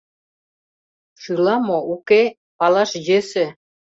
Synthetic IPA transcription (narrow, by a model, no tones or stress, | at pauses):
ʃɯlɑmouke | pɑlɑʃjesĕ